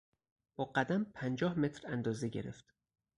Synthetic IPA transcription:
b̥ɒːɢæd̪æmpʰænd͡ʒɒːhme̞t̪ʰɾænd̪ɒːzeɟe̞̰ɾe̞̰ft̪

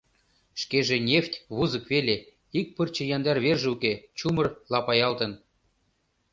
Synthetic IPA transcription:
ʃkeʒenʲeft̪ʲβuzə̆kβele | ik̚pərt͡ɕɤ̆jɑnd̪ɑrβerʒĕuket͡ɕumɤ̆rlɑpɑjɑlt̪ə̆n

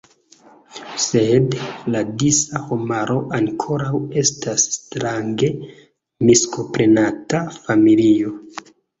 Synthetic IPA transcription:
se̞dladisaho̞maɾo̞ʔaŋkʰo̞ɾawe̞stasːtɾaŋɡe̞ | misko̞pɾenatafamilio̞

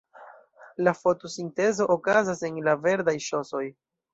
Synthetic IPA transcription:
lafo̞to̞sinte̞zo̞ʔokazase̞nlave̞ɾdajʃo̞so̞j

